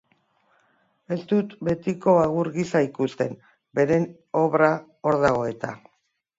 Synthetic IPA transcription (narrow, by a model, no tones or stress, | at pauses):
e̞st̪ut̪be̞t̪iko̞aɣ̞uɾɣisaikust̪e̞m | be̞ɾe̞n | o̞βɾa | o̞ɾðaɣo̞e̞t̪a